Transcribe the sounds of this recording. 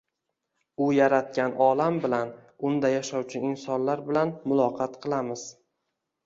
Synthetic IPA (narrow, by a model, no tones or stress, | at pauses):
ʊjaɾat̪̚kʲanʔɒlambɪlan | ʊnd̪ajaʃɒwt͡ʃʰɪɪnsɒnlaɾbɪlanmʊlˠɒqʰɑt̪qʰɨlˠamɪz̥